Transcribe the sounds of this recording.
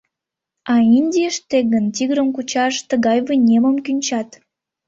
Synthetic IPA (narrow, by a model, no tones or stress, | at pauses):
ɑinʲdʲiəʃt̪eɣənt̪ʲiɣəɾəmkut͡ɕɑʃt̪əɣɑjβənʲeməmkynʲt͡ɕɑt̪